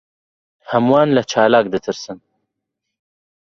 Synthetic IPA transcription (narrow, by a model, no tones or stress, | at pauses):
hɐmwɑːnlɐt͡ʃʰɑːlaːk̚d̪ɨt̪ʰɨɾsɨn